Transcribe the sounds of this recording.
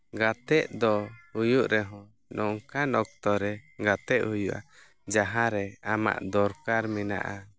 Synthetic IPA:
ɡat̪ɛʔd̪ɔhujuʔɾɛɦɔ̃ | nɔŋkanɔk̚t̪ɔɾɛɡat̪ɛʔhujuʔa̰ | d͡ʒaɦãɾɛama̰ʔd̪ɔɾkaɾmina̰ʔa

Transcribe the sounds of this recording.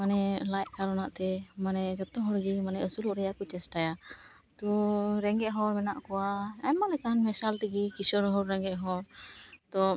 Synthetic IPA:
manɛlajt̪̚kaɾɔnaʔt̪ɛmanɛd͡ʒɔt̪ɔɦɔɽɡimanɛəsuluʔɾɛjakɔt͡ʃɛsʈaja | t̪ɔɾɛŋɡɛʔɦɔɾmɛnaʔkɔwaɛmalɛkanmɛsalt̪iɡikisɔɾɦɔɾɾɛŋɡɛʔɦɔɾt̪ɔ

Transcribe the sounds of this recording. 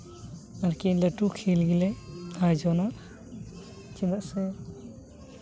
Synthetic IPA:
aɾkilɛʈukʰilɡilɛajd͡ʒɔnaʔ | t͡ʃinaʔsɛ

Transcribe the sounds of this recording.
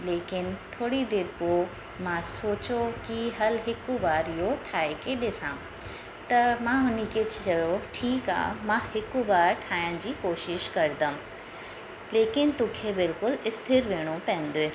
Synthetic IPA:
leːkɪnt̪ʰoːɽid̪eːɾpoː | mãsoːt͡ɕokiɦɐlɦɪkubaːɾijoʈʰaːekeːɗɪsãː | t̪ɐmãɦʊnikɪd͡ʑʰt͡ɕɐjoʈʰiːka̰ːmãhɪkubaːɾʈʰaːəɽ̃d͡ʑiːkoːʃɪʃkɐɾd̪ə̃ | leːkɪnt̪ũːkʰebɪlkʊlɪst̪ʰɪɾʋeːɽ̃opɐ̃ɦɪ̃nd̪oeː

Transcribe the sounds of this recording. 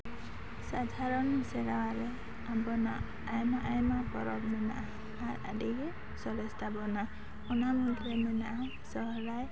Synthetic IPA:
sad̪ʱaɾɔnisɛɾawaɾɛ | abɔna̰ | ajmaʔajmapɔɾɔbnɔna̰ʔaː | ɾa̰diɡe | sɔɾɛst̪abɔna | ɔnamɔnt̪ɾɛnɔnaʔa | sɔɦɾaj

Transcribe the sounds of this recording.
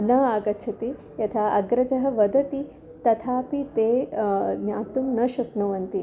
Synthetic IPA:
nɐaːɡɐt͡ʃʰɐt̪i | jɐt̪ʰaːʔɐɡɾɐd͡ʒɐɦɐ̆ʋɐd̪ɐt̪i | t̪ɐt̪ʰaːpit̪eːnjaːt̪umnɐʃɐkɳɐʋɐnt̪i

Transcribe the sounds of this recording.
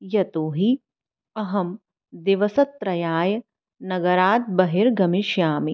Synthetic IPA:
jɐt̪oːɦi | ɐɦɐm | d̪iʋɐsɐt̪ːɾɐjaːjɐ | nɐɡɐɾaːt̪̚bɐɦiɾɡɐmiʃjaːmi

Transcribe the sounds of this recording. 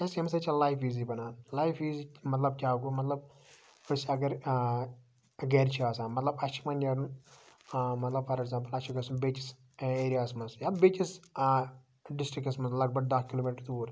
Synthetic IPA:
ɐsɐmsɐt͡ʃʰɐlajfiːzibɐnaːnlajfiːzimɐt̪lɐb̚kʲaːɡumɐt̪lɐb | ɐsɐɡɐɾ | ɡeɾt͡ʃʰiaːsaːnmɐt̪lɐbɐt͡ʃʰimɐnjɐɽun | mɐt̪lɐbfɐɾeɡzãːmp̬ɐlɐʃʰiɡɐsumbet͡ʃis | eːɾijaːsmɐnsjaːbeːt͡ʃis | ɖisʈɾikɐsmɐnslɐɡ̚bɐɡ̚d̪akkiloːmiʈɐɾt̪uːɾ

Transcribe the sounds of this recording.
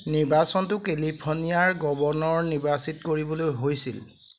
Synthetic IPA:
niɹbasɔntʊkelipʰonijaɹɡɔbɔnɔɹniɹbasitkoɹibɔlojɦojsḭl

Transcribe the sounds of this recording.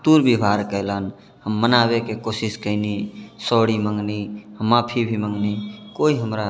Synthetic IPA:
t̪uɾbibʱaɾkəɪlən | həmːənabekekosiskəɪnisɔɽimə̃ŋɡniɦəmːapʰibʱiməŋɡnikoiɦəmɾa

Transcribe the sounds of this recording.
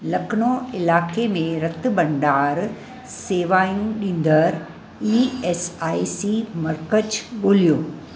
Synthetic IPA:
lɐknoɪlaːkemẽɾɐt̪bɐ̃ɳɖaːɾ | seːʋaːjũɗĩːn̆d̪əɾ | iesaːisimɐɾkət͡ɕɠoːlijoː

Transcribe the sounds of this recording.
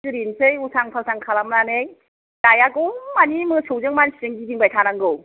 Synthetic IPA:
sɯɾinsʰɯjusʰaŋpʰalsʰaŋkʰalamɾanɯj | dajaɡoŋmanimɯsowd͡ʒɯŋmansʰizɯŋɡidiŋbajtʰaɾaŋɡɯw

